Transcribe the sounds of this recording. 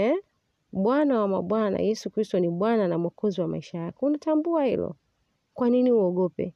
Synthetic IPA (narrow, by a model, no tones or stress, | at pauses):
ɛ | ɓwanawama̰ɓwana̰jɛsukɾistɔniɓwananam̩ɔkʰɔziwama̰iʃajakɔunatambuahḭlɔ̰ | kwaniniuɔɠɔpɛ̰